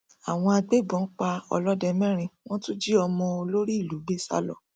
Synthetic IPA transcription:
a˨w̃ɔ̃˧a˧ɡ͡be˦˨bɔ̃˨˦k͡pa˧ɔ̰˧lɔ˦dɛ˧mɛ̃˦ɾ̃ĩ˧w̃ɔ̃˦tũ˦d͡ʒi˦ɔ˧mɔ̃˧o˧lo˦ɾi˦i˦˨lu˨˦be˦sa̰˦lɔ̰˨

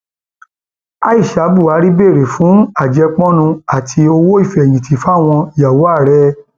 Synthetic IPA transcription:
a˦i˦˨ʃa˨˦bu˦˨a˨˦ɾi˦be˦˨ɾe˨fũ˨˦a˦˨d͡ʒɛ˧k͡pɔ̃˦nũ˧a˦˨tʰi˧o˧wo˦i˦˨fɛ˨j̃ĩ˨tʰi˨fa˦˨w̃ɔ̃˧i˨ja˨wo˨˦a˦˨ɾɛ˦

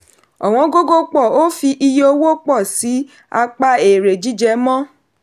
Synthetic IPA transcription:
ɔ˨w̃ɔ̃˧˦ɡo˦ɡo˦k͡pɔ˦˨o˦fi˧ʔi˧jo˧wo˦k͡pɔ˦˨si˨˦ | a˧k͡pa˧e˨ɾe˨d͡ʒi˦d͡ʒɛ˧˦mɔ̃˦

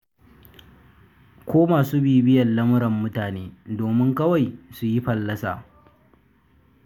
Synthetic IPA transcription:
kʷoː˦maː˨suː˦biː˨bɪ˦jɐ˨nlɐ˦mʊ˦ɽɐ˨mːʊ˦taː˨neː˦doː˨mɪ˦ŋkɐ˦wa˨jsu˨ji˦ɸɐ˨lːɐ˦sa̰ː˨

